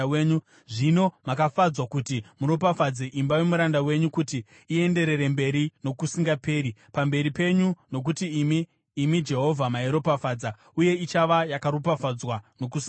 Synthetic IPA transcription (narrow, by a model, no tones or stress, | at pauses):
weːɲu | ʐino̞makafad͡zwakutimuɾopafad͡zeʔimbawe̞muɾandawe̞ɲukutiː | e̞nde̞ɾe̞ɾe̞mbe̞ɾino̞kusiŋɡape̞ːɾipambe̞ɾipe̞ɲuno̞k̬utimiː | mid͡ʒe̞ɦo̞vʱamaeɾo̞pafaːd͡za | uje̞it͡ʃaʋajakaɾopafad͡zwano̞kusia